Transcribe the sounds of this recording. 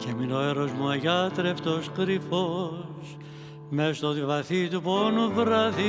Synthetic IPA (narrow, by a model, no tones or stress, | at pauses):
ceminoeɾozmuɐʝɐt̪ɾeft̪oskɾifos | mest̪oðivɐθit̪uponuvɾɐði